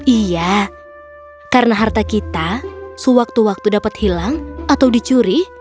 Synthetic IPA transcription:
ʔija | karnaɦart̪akit̪asəwak̚t̪uwak̚t̪udapat̪hilaŋʔat̪awdit͡ʃuɾih

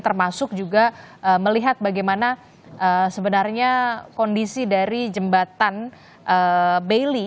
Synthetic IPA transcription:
t̪ərmasʊk̚d͡ʒuɡaʔəməliɦat̪̚baɡajmana | ʔəsəbənarɲakɔndisidaɾid͡ʒəmbat̪an | ʔəbeli

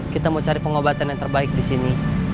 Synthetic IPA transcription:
kit̪amot͡ʃaɾipəŋobat̪anjaŋt̪ərbaɪk̚disini

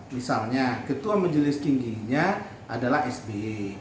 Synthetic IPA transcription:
misalɲakət̪uamad͡ʒəlɪst̪iŋɡiɲa | ʔadalaɦɛsbe

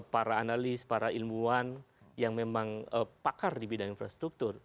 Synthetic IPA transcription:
paɾaːnalɪspaɾailmuan | jaŋmemaŋəpakardibidaŋinfɾast̪ɾuk̚t̪ʊr

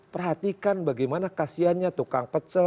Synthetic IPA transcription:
pərɦat̪ikanbaɡajmanakasianɲat̪ukaŋpət͡ʃə

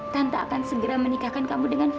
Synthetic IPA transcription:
t̪ant̪aakansəɡəɾamənikahkankamudəŋan

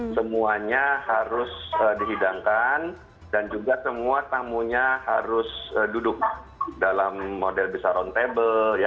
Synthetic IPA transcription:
səmuaɲahaɾʊsədiɦidaŋkan | dand͡ʒuɡasəmuat̪amuɲaha̰ɾʊsədudʊk̚ | dalamːodɛlbisaɾɔnt̪ebəja

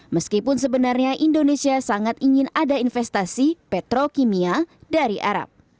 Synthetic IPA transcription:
məskipʊns̬əbənarɲaʔindonesiasaŋat̪iɲɪnadainfɛst̪asipɛt̪ɾokimiadaɾiʔa̰ɾa̰p̚

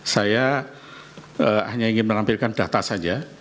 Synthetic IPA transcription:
saja | əhaɲaiŋɪnmənampɪlkand̥a̤t̪asad͡ʒa

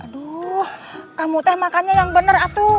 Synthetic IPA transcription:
dɔhkamut̪ɛhmakaɲajaŋbənərat̪u

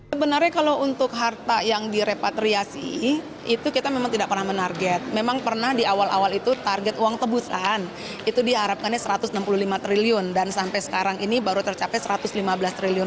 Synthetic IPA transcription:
səbənarɲakalount̪ʊk̚ɦart̪ajaŋdiɾepat̪ɾiasḭ | it̪ukit̪amemaŋt̪idaʔ̚pərnahmənarɡɛt̪̚memaŋpərnahdiawala̰walit̪ut̪arɡɛt̪uaŋt̪əbusan | it̪udiɦaɾap̚kanjasəɾat̪ʊsnampululimat̪ɾiliʊndansampajsə̥kaɾaŋinibaɾut̪ərt͡ʃapɛsəɾat̪ʊslimabəlast̪ɾiliʊn

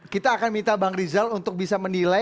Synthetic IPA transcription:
kit̪aːkanmint̪abaŋrizalunt̪ʊk̚bisamənila

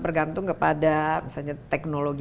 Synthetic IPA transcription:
bərɡant̪ʊŋkəpadamisalɲat̪ɛk̚noloɡi

